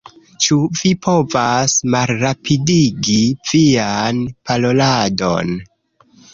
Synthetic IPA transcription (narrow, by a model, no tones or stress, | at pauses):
t͡ʃuvipʰo̞vasmalɾapʰidiɡiv̥ianpʰalolado̞̰n